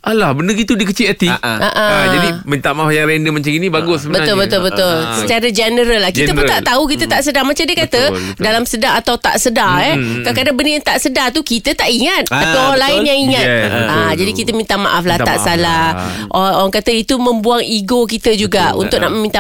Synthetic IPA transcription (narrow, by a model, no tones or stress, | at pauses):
ʔalahbəndəɡit̪udikət͡ʃiət̪iʔaʔad͡ʒadimint̪amaʔafjaŋɾɛndəmaɲt͡ʃaŋinĩbaɡʊsbəbət̪ʊlbət̪ʊlbət̪ʊlsət͡ʃaɾəd͡ʒənəɾəlːahkit̪əpət̪aʔt̪auk̬it̪ət̪aʔsədarmat͡ʃamdiəkat̪ə | dalamsədaŋat̪awt̪a̰ʔsədaɛkakadabəndəjaŋt̪aʔsədart̪ukit̪ət̪aʔiŋat̪̚at̪aaŋlaɪnjaŋiŋat̪ad͡ʒadikit̪əmint̪ama̰ʔafla̰ʔsalaʔooɾaŋkat̪əit̪umə̃mbuaŋiɡok̬it̪əd͡ʒuɡaṵnt̪ʊʔ̚na̰ʔməmint̪a